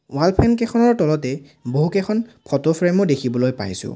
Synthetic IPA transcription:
walpʰɛnkɛxʰɔnɔɹtɔlɔtɛ | boɦukɛkʰɔnpʰɔtɔpʰɹɛmɔdekʰibɔlojpa̰jsʊ̰

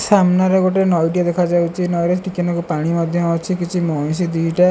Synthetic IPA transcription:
samnaɾeɡoʈenɔjɖijad̪ekʰad͡ʒawt͡ʃʰinɔjɾesʈikenɔkupaɽ̃imɔd̪ʱjɔɔt͡ʃʰikit͡ʃʰimɔj̃s̬id̪iɦʈa

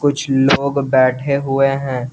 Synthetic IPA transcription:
kʊt͡ʃʰloːɡbɛːʈʰeɦʊeɦɛ̃ː

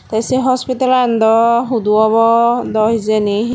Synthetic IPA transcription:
t̪asiɦɔspitaland̪ɔɦud̪uɔβɔd̪ɔɦizeni

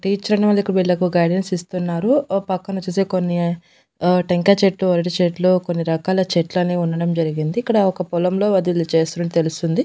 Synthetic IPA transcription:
ʈiːt͡ʃːɐɾɐnɐmɐlikːɐɽɐʋiɭːɐkuɡɐjɖensist̪unːaːɾupɐkːɐnut͡ʃːuseːkonːi | ʈeŋkaːt͡ʃeʈluɐɾɐʈit͡ʃeʈloːkonːiɾɐkaːlɐt͡ʃeʈlɐniːunːɐɽɐmd͡ʒɐɾiɡind̪iːkːɐɽɐɔkɐpɔlɐmlo̞ːʋɐd̪ilut͡ʃeːsuːnɐɳɖit̪e̞lust̪und̪i

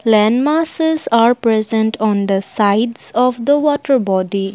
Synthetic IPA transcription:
lɛ̃nmasezaɾpɾɛzə̃nʈʰɔ̃nd̪əsaɪɖzɔʋd̪əʋɔʈəɾbɔɖi

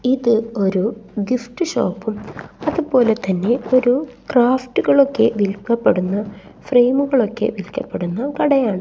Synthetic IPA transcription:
iðɨo̞ɾuɡifʈɨɕo̰ːpːumɐðupo̞ːle̞t̪ɐnːe̞o̞ɾukraːfʈuɣɐɭo̞kːe̞̰ʋilkːɐpːe̞ɽunːɐ | fre̞ːmuɣɐɭo̞kːe̞̰ʋilkːɐpːe̞ɽunːɐkɐɽɐjaːɳɨ

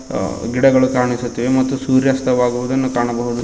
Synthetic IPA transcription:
ɡiɽɐɡɐɭukaːɾɐɳisut̪ːiʋemɐt̪ːusuːɾjɐst̪ʰɐʋaːɡuʋud̪ɐnːukaːɳɐbɐɦud̪u

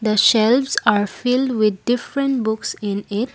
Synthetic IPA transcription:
d̪əʃɛlʋsaɾfilɖʋɪd̪̚ɖɪfɾə̃ɳʈbʊksĩnɪʈ

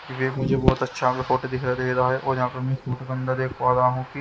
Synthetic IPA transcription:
kiʋeːmʊd͡ʒʱebɔːt̪ɐtːʃʰakefoːʈod̪ɪkʰɾad̪eːkd̪aɦɛʔoːɾd͡ʒãːkəɾmɛ̃suːʈɡə̃nd̪ad̪eːkʰʋaːd̪aɦũːki

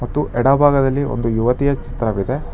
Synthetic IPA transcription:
mɐt̪ːuʔɛɽɐbʱaːɡɐd̪ɐlːiʔo̞̰nd̪ujuʋɐt̪ijɐt͡ʃi̥t̪ɾɐʋid̪e̞

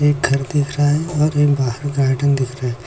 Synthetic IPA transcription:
eːk̚ɡʱɐɾd̪ɪkʰɾaɦɛɔːɾeːkbaːɦəɾɡaːɖənd̪ɪkʰɾaɦɛ

